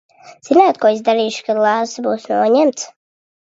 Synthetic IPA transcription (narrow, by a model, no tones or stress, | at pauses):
z̥inaːt̪̚kɔːizd̪aɾiːʃkad̪lˠaːsbuːsnɔɔɲɛmt̪s